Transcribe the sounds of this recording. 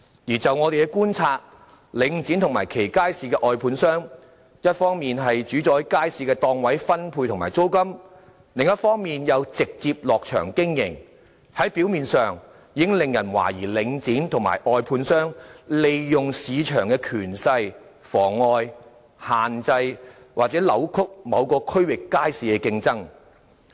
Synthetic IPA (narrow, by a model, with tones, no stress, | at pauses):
jiː˨˩t͡sɐ˨wŋɔː˨˧e˨jkɛ˧˥kuː˥nt͡sʰaː˧t̚ | lɪ˨˧˥ŋt͡siː˨˥nt̪ʰʊ˨˩ŋmaː˨˩jkʰe˨˩jkaː˥jsiː˧kɛː˧ʔɔː˨˧jpʰuː˨˧nsœː˥ŋ | jɐ˥t̚fɔː˥ŋmiː˨nɦɐ˨jt͡ʃyː˨˥t͡sɔː˨˥jkaː˥jsiː˨˧kɛː˧t̪ɔː˧ŋwɐ˨˥jfɐ˥npʰu˧jt̪ʰʊ˨˩maː˨˩t͡so˥wkɐ˥m | lɪ˨ŋjɐ˥t̚fɔː˥ŋmiː˨njɐ˨˧wt͡sɪ˨k̚t͡siː˧p̚lɔː˨k̚t͡ʃʰœ̰ː˨˩ŋkɪ˥ŋjɪ̰˨˩ŋ | hɐ˨˥jpi˨˥wmiː˨nsœː˨ŋ | jiː˨˥ŋlɪ˨ŋjɐ˨˩nwa̰ː˨˩jiː˨˩lɪ˨˧ŋt͡siː˨˥nt̪ʰʊ˨˩ŋma̰ː˨˩jʔɔː˧jpʰuː˧nsœː˥ŋle˨jjʊ˨ŋsiː˨˧t͡ʃʰœː˨˩ŋkɛː˧kʰyː˨˩nsɐ˧j | fɔː˨˩ŋɔː˧j | haː˨nt͡sɐ˧j | waː˨k̚t͡sɛː˨˥lɐ̰˨˥wkʰʊ˥k̚mɐ˨˧wkɔː˧kʰɵ˥ɥwɪ˨kːaː˥jsiː˨˧kɛː˧kɪ˧ŋt͡sɐ˥ŋ